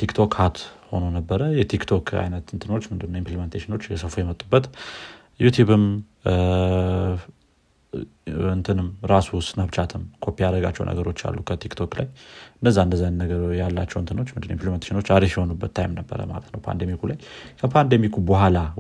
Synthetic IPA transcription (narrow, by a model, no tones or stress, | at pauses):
t̪ʰikt̪ʰo̞khat̪ho̞nonəbːəɾəjɛt̪ʰikt̪ʰo̞ka̰jnət̪ɨnt̪ʰɨno̞t͡ʃːmɨnd̪ɨnːəimpliment̪ʰeʃino̞t͡ʃːjɛsəfujɛmət̪ʼːubːət̪ | jut̪ʰjuβɨm | ɨnt̪ʰɨnɨmɾasust̪nabt͡ʃat̪ʰɨmkʰo̞pːiaɾəɡa̰t͡ʃːɛ̰wnə̰ɡəɾo̞t͡ʃːa̰lːukʰət̪ʰikt̪ʰo̞kla̰jɨndəzːaɨnd̪əzːanːəɡəjalːat͡ʃːɛwɨnt̪ʰɨno̞t͡ʃːmɨnd̪ɨnːjimplement̪e̥ʃino̞t͡ʃːaɾifjɛho̞nubːət̪ʰːajmnəbːə̰ɾə̰ma̰lət̪nəwpʰa̰nd̪emikʰulajkʰəpʰand̪emikʰubəhala